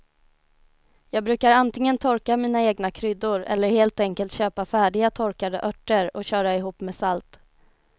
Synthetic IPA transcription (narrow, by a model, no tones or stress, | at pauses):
jɑːɡ̚bɾʉ̟ːkaɾant̪ɪŋənt̪ʰɔɾkamiːnaeːɡnakʰɾʏd̪ːʊɾɛ̰lːəɾheːlt̪ɛŋkəlt̪ɕøːpafæːɖɪɡat̪ʰɔɾkad̪ə̰ʔœʈːəɾɔɕœːɾaɪɦuːpːmeːsalt̪